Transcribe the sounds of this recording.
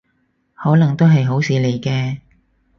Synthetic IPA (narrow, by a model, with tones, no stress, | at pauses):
hɔː˨˥lɐ˨˩ŋt̪o˥wɦɐ˨jɦo˨˥wsiː˨˧le˨˩jkɛː˧